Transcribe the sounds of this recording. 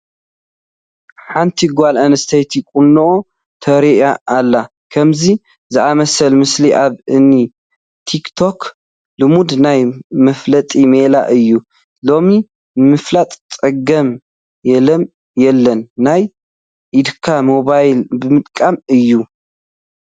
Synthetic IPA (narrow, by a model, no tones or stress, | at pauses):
ħant̪ʰiɡʷalʔanɐst̪ʰejt̪ʰikʼunːoʔo | t̪ʰɐɾiʔaʔːlːa | kʰɐmzi | zɨʔamɐsɐlmɨsliʔaβɨnːi | t̪ʰikt̪ʰo̞k | lɨmud̪najmɐflɐt̪ʼimela̰ʔɨjːu | lo̞mi | mɨflat̪ʼt̪ʼɐɡɐm | jɛlɐm | jɛlːɐnːaj | ʔid̪kʰamo̞βajlbɨmɨt̪ʼkʼamɨjːu